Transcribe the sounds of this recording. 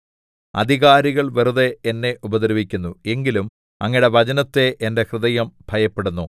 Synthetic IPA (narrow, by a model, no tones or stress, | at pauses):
ɐ̰d̪ʱiɣaːɾiɣɐɭʋeruðe̞ːnːe̞ubɐd̪ɐɾɐʋikʲːunːue̞ŋɡilum | ɐŋːiɽeʋɐt͡ɕɐnɐt̪ːe̞ʔende̞krɨðɐjɐmbʱɐjɐpːe̞ɽunːu